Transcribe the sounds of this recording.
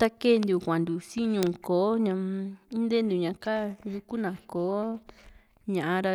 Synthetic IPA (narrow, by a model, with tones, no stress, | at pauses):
t̪a˧ke˦˨nd̪u˨kʷã˨nd̪u˨si˦ɲũː˨koː˨˦ɲã˧ĩ˦nd̪e˦nd̪u˨ɲã˧ka˦ju˧ku˦nã˨koː˨˦ | ɲã˨ʔã˧ɾa˧